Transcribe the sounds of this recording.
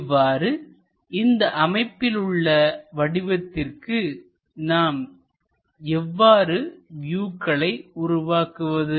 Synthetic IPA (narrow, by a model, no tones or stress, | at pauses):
ʋːaːɾɯ | ɪnd̪ɐʔɐmɐɪpːɪlɯɭːɐʋɐɽɪʋɐt̪ːɪrkɯ | naːm | ɛʋːaːɾɯʋjuːkːɐɭɐɪʊɾʊʋaːkɯʋɐðɯ